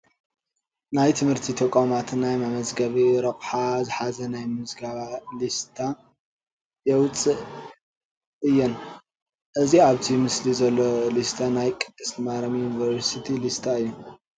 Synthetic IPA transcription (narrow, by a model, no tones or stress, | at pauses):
najt̪ʰɨmhɨɾt̪ʰit̪ʰɐkʼomat̪najmamɐzɡɐβiɾɐχʼħazɨħazɐnajmɨzɡaβalist̪ʰa | jɛwʊt͡sʼːɨʔ | ʔɨjːɛn | ʔɨziaβt̪ʰimɨslizɐlːolist̪ʰanajkʼɨd̪̥ʼɨsmaɾɐmjunivɐɾsit̪ʰilist̪ʰaɨjːu